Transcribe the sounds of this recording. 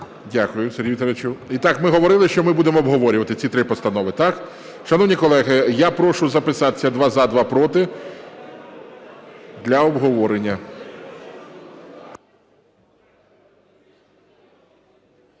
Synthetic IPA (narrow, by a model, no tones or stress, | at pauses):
dʲakʊjʊseɾʲɦit̪ɐɾet͡ʃuit̪ɑkmɪɦɔʋɔɾɪlˠɪʃt͡ʃɔmɪbud̪emɔːbɦɔʋɔɾʲʊʋɐt̪ɪt͡sʲit̪ɾɪpɔst̪ɐnɔʋɪt̪ɑk | ʃɐnɔwnʲikɔlˠɛɦɪjapɾɔʃʊzɐpɪsɑt̪ɪ̥t͡sʲːɐd̪ʋɑzad̪ʋɑpɾɔt̪ɪ | d̪lʲɐɔbɦɔʋɔɾenʲːɐ